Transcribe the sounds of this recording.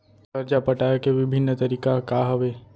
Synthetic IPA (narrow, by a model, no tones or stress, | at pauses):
səɾd͡ʒapəʈajkeʋɪbʱɪnːt̪əɾiːkakaɦəʋe